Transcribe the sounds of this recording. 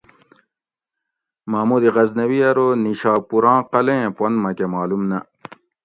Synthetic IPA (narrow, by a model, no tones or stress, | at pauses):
maːmud̪iʁɐznɐwiɐɾoniɕaːpuɾɑ̃ːqɐlẽpɐnmɐkemaːlumnɐ